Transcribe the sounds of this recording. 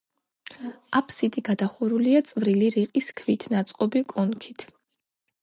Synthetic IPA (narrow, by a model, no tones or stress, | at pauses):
apʰsit̪ʼiɡad̪aχuɾuliat̪sʼvɾiliɾiqʼiskʰvit̪ʰnat̪sʼqʼɔbikʼɔnkʰit̪ʰ